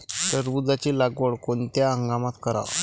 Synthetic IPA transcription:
t̪əɾbud͡zat͡ɕilaɡʋəɽkont̪jaəŋɡamat̪kəɾa̰ʋ

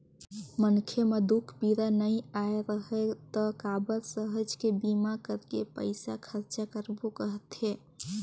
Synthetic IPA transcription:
mənkʰemed̪ukʰbiɾanəjaeɾəɦɛt̪ɔkabəɾsəɦəd͡ʒkebimakəɾkepə̰ɪsakʰəɾt͡ʃakəɾbukəɦət̪ɦe

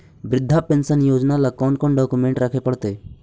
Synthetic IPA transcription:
bɾɪd̪ʱːapensənjoːd͡ʒnalakɔːnkɔnɖɔːkumẽɳʈɾakʰepəɽt̪eː

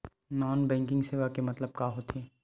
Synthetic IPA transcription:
nɔːnbɛ̃ːŋkɪ̃ŋɡseːʋakemɐt̪ləb̚kaːɦot̪ʰeː

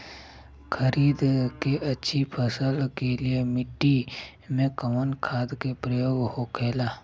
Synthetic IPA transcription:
kʰəɾiːd̪keʔɐtːʃʰipʰəsəlkeliemɪʈːi | mẽkəmənkʰaːd̪kepɾəjoːɡhokʰeːlaː

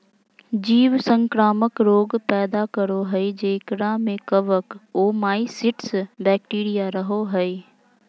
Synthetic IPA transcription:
d͡ʒiːʋsə̃ŋkɾaːməkɾoːɡpɛːd̪akəɾoɦɛid͡ʒeːkɾamẽkəʋəkoːmaːisɪʈsbɛːk̚ʈiːɾijaɾəɦoɦɛi

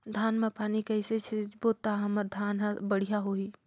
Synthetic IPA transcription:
d̪ʱaːnmẽpaːnikɐɪset͡ʃʰeboːt̪aɦɐməɾd̪ʱaːnɦbəɽ̤ijaɦoːiː

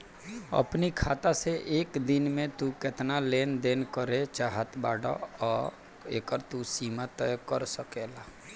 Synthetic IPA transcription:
ə̰pnikʰaːt̪aseʔeːkd̪ɪnmẽt̪ukɪt̪naleːnd̪eːnkəɾet͡ʃaːɦət̪ba̰ːɽa̰ɔːɾ | ḛːkəɾt̪usiːmat̪ɛkəɾsəkelaː

